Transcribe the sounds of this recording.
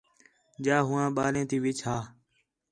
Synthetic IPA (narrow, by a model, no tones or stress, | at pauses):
d͡ʒaːɦuːãːɓaːɾẽːt̪iːʋɪt͡ʃɦaː